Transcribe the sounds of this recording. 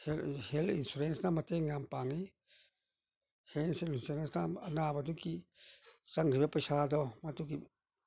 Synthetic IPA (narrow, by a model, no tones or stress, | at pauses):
hehelḭnsuɾensnamɐt̪eŋampaŋi | henselinsuɾensnaɐnabaduki | t͡ʃaŋɾibepɐjsad̪ɔmat̪uk̬i